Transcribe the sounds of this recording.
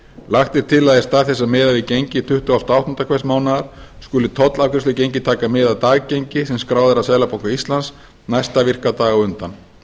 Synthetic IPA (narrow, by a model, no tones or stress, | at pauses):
laxt̪ɪɾ̥t̪ʰɪlaðɛst̪aːθɛsːamɛːðavɪcejɲcɪt̪ʰʏht̪ʏawst̪awht̪ʰʏnt̪akʰvɛsmaːwnaðaɾ̥skʏːlɪt̪ʰɔt̪lavkʰɛslʏc̬ejɲcɪt̪ʰaːkamɪːðaðt̪aːɣcejɲcɪsɛmskɾaːwðaɾaðsɛðlapowŋkaist̪lans | najst̪avɪr̥kat̪aːɣɔʏnt̪an